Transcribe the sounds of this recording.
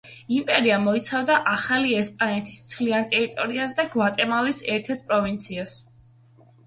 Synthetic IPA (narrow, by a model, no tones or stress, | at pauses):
impʼɛɾiamɔit̪sʰavd̪aʔaχaliɛspʼanɛt̪ʰi̥ssʰliant̪ʼɛɾit̪ʼɔɾiasd̪aɡwat̪ʼɛmalisɛɾt̪ʰɛɾt̪̚ʰpʼɾɔvint̪sʰias